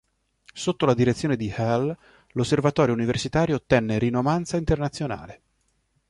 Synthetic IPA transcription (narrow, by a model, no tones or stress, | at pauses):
sot̪ːolad̪iɾet̪sːjoːned̪ihɛl | losːervat̪ɔːɾjouniversit̪aːɾjoːt̪ːɛnːeɾinːovant̪saint̪ernat̪sːjona̰ːle